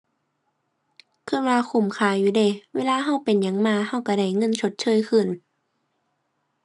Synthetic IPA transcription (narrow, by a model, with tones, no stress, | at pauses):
kʰɯ˧˥˩nwaː˧kʰu˧˩˨mkʰaː˧˩juː˧˩de˧˩weː˧˥laː˧ɦa˧˩˨wpe˨nɲa˧˦ŋmaː˧˨ha˧˩˨wka˧˩da˧˩jŋɤ˧˥˨nt͡ɕʰo˧˦t̪̚t͡ɕʰɤː˧˥˨jkʰɯ˧˩˨n